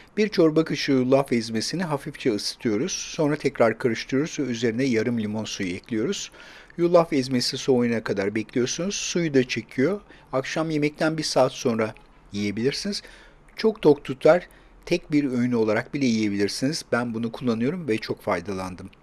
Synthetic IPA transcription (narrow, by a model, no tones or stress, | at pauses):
b̥iɾt͡ʃʰo̞ɾbakʰɯʃɯjulˠːafɛzme̞siniɦafift͡ʃʰɛɯsɯ̥t̪ʰɯjo̞ɾuz̥so̞nɾat̪ʰɛcɾaɾkʰaɾɯʃt̪ʰɯjo̞ɾuzvɛyze̞ɾind̪ɛjaɾɯmlʲimo̞nsujuɛclʲijo̞ɾuz̥julˠːafɛzme̞sisuojunakʰad̪aɾbɛclʲijo̞ɾsunuz̥sujud̪at͡ʃʰe̞cʰijo̞ | akʃamje̞mɛc̚t̪ʰænbiɾsaːt̪so̞nɾa | jije̞bilʲiɾsiniz̥ | t͡ʃʰo̞k̚t̪ʰo̞k̚t̪ʰut̪lˠaɾ̥ | t̪ʰɛc̚biɾøjnyo̞lˠaɾak̚bilʲɛjije̞bilʲiɾsiniz̥bænbunukʰulˠːanɯjo̞ɾumvɛt͡ʃʰo̞kfajd̪alˠand̪ɯm